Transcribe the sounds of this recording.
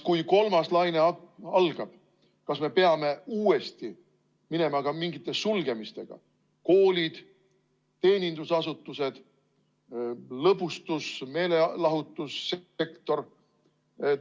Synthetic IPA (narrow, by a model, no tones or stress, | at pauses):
kujko̞lmɑslɑjneɑlɡ̥ɑb̥ | kɑsme̞pe̞ɑme̞uːe̞st̪i | mine̞mɑkɑmiŋɡ̥it̪ːˑe̞sulɡe̞mist̪e̞ɡ̥ɑ̰ | ko̞ːlʲid̪̥ | t̪e̞ːnʲind̪usɑs̬ut̪ˑːuse̞d̪̥ | lɤbust̪usme̞ːle̞lɑɦut̪ːˑusːee̞kt̪o̞r